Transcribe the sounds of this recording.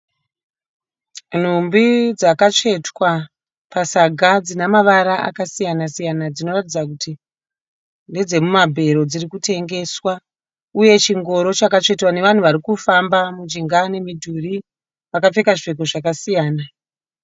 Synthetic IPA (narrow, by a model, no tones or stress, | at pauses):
n̤umbid͡zakat͡ʂe̞twa | pasaɡʱad͡zinamaʋaɾaʔa̰kasijanasijanad͡zino̞ratid͡zakuti | nde̞d͡ze̞mumabʱe̞ɾo̞d͡zirikute̞ŋɡe̞ːswa | uje̞t͡ʃiŋɡo̞ɾo̞t͡ʃakat͡ʂe̞twane̞ʋan̤uʋaɾikufambamud͡ʒiŋɡane̞midʱuri | ʋakafekaʐek̬oʐakasijaːna